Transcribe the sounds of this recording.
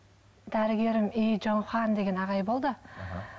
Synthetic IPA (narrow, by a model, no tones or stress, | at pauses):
d̪æɾɪɡʲe̞ɾɪmijʒonχɑnd̪e̞ɡʲe̞nɑʁɑjbo̞lˠd̪ə̰